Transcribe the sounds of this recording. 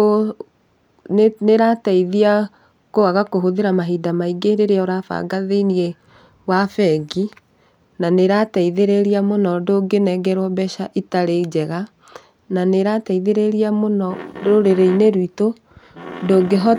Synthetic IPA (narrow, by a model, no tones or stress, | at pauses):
o | neɾataiðia | koaɣakoɦoðeɾamaɦidamaiɡeɾeɾeaoɾafa̰ːɡaðenie | wafɛɡi | naneɾataiðeɾeɾiamonɔdoːɡenɛɡɛɾwɔbɛʃaʔitaɾed͡ʑɛɣa | naneɾataiðeɾeɾiamonɔɾoɾeɾeineɾwito | ndoɡeɦɔ